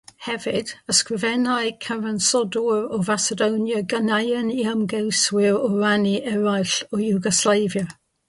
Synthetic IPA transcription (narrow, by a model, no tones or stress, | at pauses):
hɛvɪdəskrɪvɛnaɨkʰavansɔdɔɹɔvasədownjəɡənajəniəmɡɛwswɪɹɔraniʔɛɾajɬɔjuɡɔslˠajvjə